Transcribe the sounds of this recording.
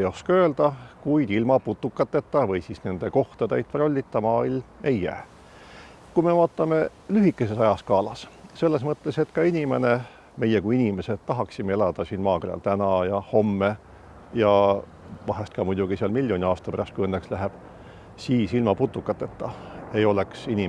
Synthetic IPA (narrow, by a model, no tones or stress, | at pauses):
jo̞skɑø̞ːld̪̥ɑkujd̪̥ilmɑput̪ːˑukːˑɑt̪ːˑet̪ːɑvɤjsisne̞nd̪̥e̞ko̞ht̪ɑd̪̥ejd̪̚ro̞lʲːit̪ːɑmɑːilme̞jːæ̰ː | kujme̞vɑːt̪ːˑɑme̞ | lyɦikːˑe̞se̞sɑjɑskɑːlɑsse̞lːe̞s̬mɤt̪ːe̞se̞t̪kɑinʲime̞ne | me̞jːekuiinime̞set̪t̪ːɑɦɑksimee̞lɑd̪̥ɑsiːnmɑːkerɑ̰lt̪ænɑjɑho̞mːe | jɑ | vɑɦest̪kɑmujd̪uɡ̥iseɑlmilʲjo̞nʲiɑːst̪ɑpæɾɑst̪̚kuijɤnːekslæɦeb̥ | siːsilmɑput̪ːˑukːˑɑt̪ːˑet̪ːɑe̞jo̞le̞ksinʲi